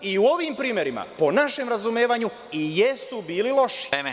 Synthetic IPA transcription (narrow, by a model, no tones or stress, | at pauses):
iuo̞ʋiːmpɾiːmje̞ɾima̰po̞naʃemɾazumeːʋaɲu | ijesubiːlilo̞ʃi̥